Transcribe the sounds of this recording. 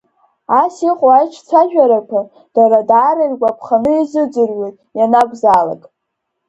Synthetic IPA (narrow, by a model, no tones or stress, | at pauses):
asiqʼwajt͡ʃʰt͡sʰaʒᶣaɾapʰa | d̥aɾadaːɾarɡʷapʰχanɨizɨd͡zɨrɥe̞jtʼjanaɡʷʼzala̰kʼ